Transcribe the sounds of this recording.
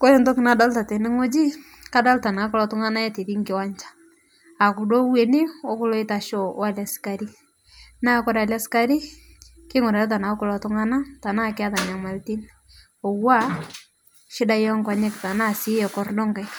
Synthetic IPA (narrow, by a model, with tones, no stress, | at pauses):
ko˦ɛ˦ntɔ˦kɪ˨na˨da˦lta˨tɛ˨nɪ˦ŋo˦d͡ʒi˦ | ka˦da˦lta˨na˨˦kɔ˦lɔ˦tʊ˦ŋa˦na˦jɛ˦te˨ði˦ŋkɪ˦wa˦ɲt͡ʃḁ˦ | a˨ku˨do˦we˨nɪ˦ɔ˦kʊ˦lɔ˦ɪ˦ta˨ʃɔ˨˦a˦˨la˨si̥ka˨ɾi˦ | na˦kɔ˦ɾa˨lja˦ska˦ɾi˦ | kɪ˦ŋʊ˨ɾa˨ɾa˦t̬a˨na˨˦kʊ˨lɔ˨tʊ˦ŋa˦na˦ta˨na˦kɪ˦a˦ta˨ɲa˨ma˨lti˦n | ɔ˨wa˦ | ʃɪ˦da˦jɔ˦ŋka˨ɲɛ˦kta˨na˦˨si˨˦jɛ˨kɔ˦rdɔ˦ŋɡa˨j